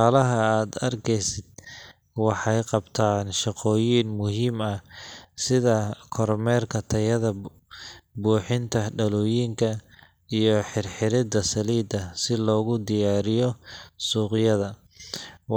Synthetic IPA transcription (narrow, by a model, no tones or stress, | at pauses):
aːlɐɦɐaːd̪ɐrkʰɛjsɪd̪̚ | wɑħɑjqɑbt̪ʰaːnʃɑqɔːjiːnmʊɦiːmɐsɪðɐkʰɔrmɛːrkʰɐt̪ʰɐjɐðɐ | buːħɪnt̪ʰɐɖɐlɔːjiːŋkʰɐ | ijɔħɪrħɪɾɪd̪ɐsɐliːd̪ɐsɪlɔːɣʊd̪ɪjaːɾɪjɔsuːqɪjɐðɐ